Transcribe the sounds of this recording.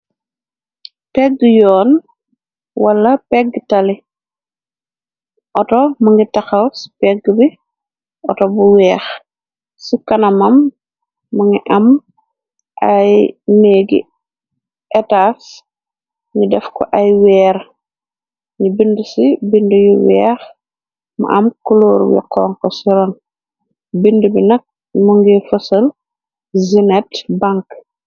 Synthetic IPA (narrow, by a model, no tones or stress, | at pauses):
pɛɡjɔːn | walːɐpɛɡtali | ʔɔtomɐŋɡitaxawspɛɡbi | ʔɔtobuwɛːx | sukɐnɐmɐmː | aŋiʔɐm | ʔajneːɡḭ | ʔɛtaːs | ɲidɛfkɔʔɐjwɛːɾ | ɲibindəsibindəjuwɛːx | mɐ̰ʔɐmkuloːɾwḭqʰɔːŋkɔsiɾɔn | bindəbinɐk̚ | muŋɡifɐsəl | zinɛtbaŋk